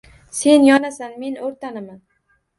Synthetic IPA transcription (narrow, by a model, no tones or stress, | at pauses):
se̞njɒnasanme̞noɾt̪ʰanɪman